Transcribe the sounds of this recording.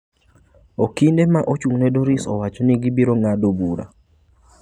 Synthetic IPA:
okindemaʔot͡ʃuŋnɛdoɾisɔ̰wat͡ʃɔnɪɡibiɾoŋadobuɾa̰

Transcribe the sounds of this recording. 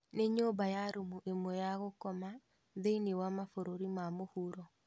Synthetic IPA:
neɲobajaɾumuʔemɔjaɣokɔma | ðeinewamafoɾoɾimamohuɾɔ

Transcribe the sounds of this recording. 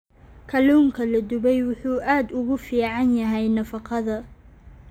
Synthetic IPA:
kʰɐluːŋkʰɐlɐd̪ʊβɛjwʊħuːʔaːd̪ʊɣʊfiːʕɑnjɐɦɛjnɐfɑqɑðɐ

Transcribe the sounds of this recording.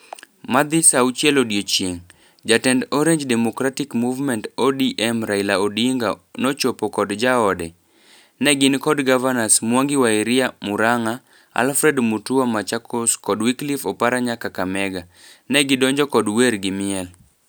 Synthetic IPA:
mad̪ɪsaut͡ʃjɛlodjot͡ʃjeŋ | d͡ʒatɛndoɾeɲd͡ʒdɛmokɾatɪkmuvmɛntodiʔɛmɾailaodiŋɡanɔt͡ʃopokɔdd͡ʒaɔdɛ | nɛɡɪnkɔdɡavanasmwɔŋɡɪwaiɾɪamʊɾaŋa | a̰lfɾɛdmutuamat͡ʃakoskɔdwiklifɔpaɾaɲakakamɛɡanɛɡɪdɔɲd͡ʒɔkɔdweɾɡɪmɪɛl

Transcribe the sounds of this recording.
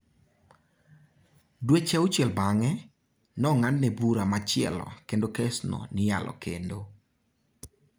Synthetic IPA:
dwet͡ʃɛʊt͡ʃjɛlbaŋɛ | nɔŋanːɛbuɾamat͡ʃɪɛ̰lɔ̰kendokɛsnɔ̰nɪja̰lɔ̰kḛndo

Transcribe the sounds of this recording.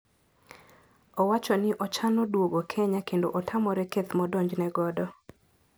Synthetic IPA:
ɔwat͡ʃɔnɪʔɔt͡ʃanodwoɡokʰɛɲakendo̰ʔɔtʰamɔɾɛket̪mɔdoɲd͡ʒnɛɡɔdɔ

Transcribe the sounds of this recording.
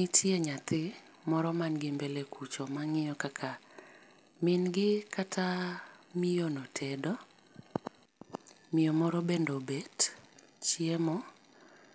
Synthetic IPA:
nitʰjeɲat̪ɪ | mɔɾɔmanɡɪmbelekʰut͡ʃomaŋɪjɔkakʰa | mɪnɡɪkʰatʰamɪjonɔtʰɛdɔ | mɪjɔmɔɾɔbendobɛt | t͡ʃiemɔ

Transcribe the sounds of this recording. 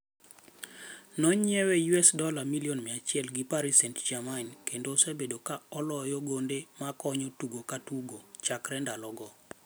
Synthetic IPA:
nɔɲɪɛwɛjuɛsdɔlamiliɔnmɛat͡ʃɪɛlɡɪpaɾisɛntd͡ʒamankendosebedokaɔlɔjɔɡondemakɔɲɔtuɡokatuɡot͡ʃakɾɛndalɔɡɔ

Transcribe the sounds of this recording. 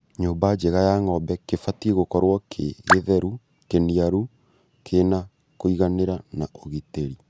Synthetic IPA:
ɲoːmbad͡ʒeɣajaŋɔbɛkefatieɣokɔɾwɔkʰeɣeðɛɾu | keniaɾu | kʰena | koiɣaneɾanaoɣiteɾi

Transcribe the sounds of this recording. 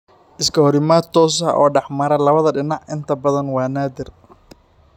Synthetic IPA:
ʔɪskʰɐhɔɾɪmaːd̪t̪ʰɔːsɐ̰ʔɔ̰ːɖɑħmɐɾɐlɐβɐðɐɖɪnɑʕʔɪnt̪ʰɐbɐðɐnwɑːnaːd̪ɪr

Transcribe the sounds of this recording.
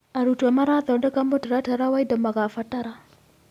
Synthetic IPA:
aɾutuamaɾatɔdakambɔtaɾataɾawaidamakafataɾa

